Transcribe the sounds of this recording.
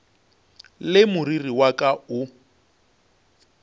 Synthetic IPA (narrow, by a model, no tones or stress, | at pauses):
lɪmʊririwakʼaʊ